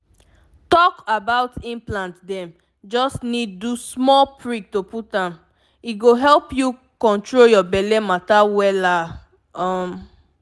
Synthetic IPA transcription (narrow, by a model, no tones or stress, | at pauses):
tɔkabaʊtʰĩmplãntdɛ̃m | d͡ʒɔsnidːusmɔlpɹik̚toputãm | iɡoɦɛlpju | kɔ̃ntɹoljɔbɛlɛmatawɛla | ɔm